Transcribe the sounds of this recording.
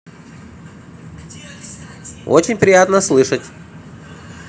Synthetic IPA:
o̰t͡ɕɪnʲpɾʲɪjat̪nəslˠɨʂətʲ

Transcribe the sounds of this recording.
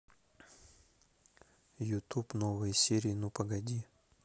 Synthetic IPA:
jʊt̪upnovɨjsʲeɾʲɪɪnupɐɡɐdʲi

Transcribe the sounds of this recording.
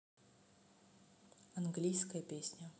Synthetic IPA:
ɐnɡlʲijskəjəpʲesʲnʲə

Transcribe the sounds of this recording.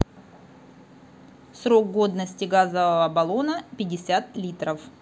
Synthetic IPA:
sɾo̞k̚ɡo̞d̪nəsʲtʲɪɡazəvəvəbɐlˠo̞nəpʲɪdʲɪsʲat̪lʲit̪ɾəf

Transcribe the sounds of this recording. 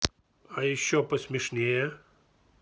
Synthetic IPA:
ɐjɪɕːɔpəsʲmʲɪʂnʲejɛ

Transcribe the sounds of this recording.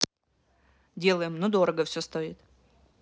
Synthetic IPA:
dʲe̞lˠəjɪmnod̪o̞ɾəɡəfsʲost̪oɪt̪

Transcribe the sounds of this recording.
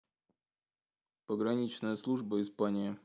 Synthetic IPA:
pəɡɾɐnʲit͡ɕnəjəslˠuʐbəɪspanʲɪjə

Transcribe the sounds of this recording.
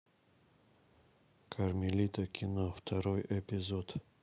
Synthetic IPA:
kʰaɾmilit̪akʰinaft̪ʰaɾɔjʔepizod̪̥

